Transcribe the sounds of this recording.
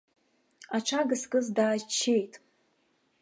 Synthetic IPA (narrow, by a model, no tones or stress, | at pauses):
aʈ͡ʂʰaɡɨskʼɨzdaːʒt͡ʃʰːe̞jtʼ